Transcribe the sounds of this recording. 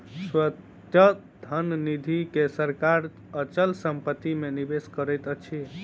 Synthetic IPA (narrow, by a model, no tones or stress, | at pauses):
swət | ə | d̪ʱənnid̪ʱikesəɾkaɾ | ət͡ʃəlsəmpət̪ːimenibeskəɾɛjt̪ət͡ʃʰi